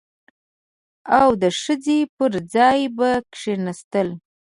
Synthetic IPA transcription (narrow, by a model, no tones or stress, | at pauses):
awd̪əʂəd͡zepəɾd͡zɑjbakʂenast̪əl